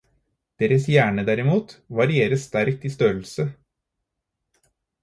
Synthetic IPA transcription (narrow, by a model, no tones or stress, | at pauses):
d̪̥eːɾəsjæːɳəd̪æɾɪmuːt̪ʋɑɾɪeːɾəsst̪æɾk̚t̪iːst̪øːl̩sə